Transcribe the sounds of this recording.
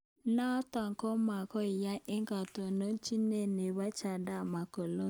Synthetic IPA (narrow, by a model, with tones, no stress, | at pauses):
na˦tɔ˨ŋ˨kɔ˦ma˨kɔ˦ɪ˨ja˦ʔe˦ŋɡa˨to˨no˦n˦t͡ʃi˦ne˦˨ne˨βa˦t͡ʃa˨da˦˨ma˨ko˨lo˦